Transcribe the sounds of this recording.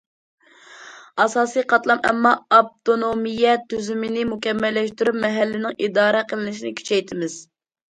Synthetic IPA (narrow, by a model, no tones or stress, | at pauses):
ɑsɑːsijqʰɑt̪lˠɑmɛ̰mːɑːp̚t̪onomijɛt̪ʰːyzymɪnɪmukʲɛmːɛlːɛʃt̪yɾyp̚mɛɦælːɪnɪŋid̪ɑːɾɛqʰəlˠɪnɪʃinɪkʲʰy̥t͡ʃʰɛjt̪ʰɪmɪz̥